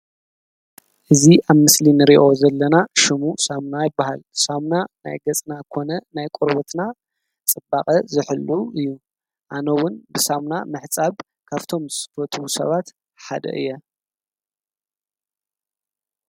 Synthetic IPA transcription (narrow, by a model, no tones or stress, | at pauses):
ʔɨziʔaβmɨslinɨɾiʔo̞zɐlːɐnaʃɨmusamnajɪbːahalsamnana̰jɡɐt͡sʼnakʰo̞nɐnajkʼɔɾbot̪na | t͡sʼɨbaqʼɐzɨħɨlːuɨjːu | ʔanɐwʊnbɨsamna̰mɨħt͡sʼaβ | kʰaβt̪ʰo̞msɨ̥fɐt̪ʰusɐ̰βat̪ | ħad̪ɐ̰ʔɨ̰jːɛ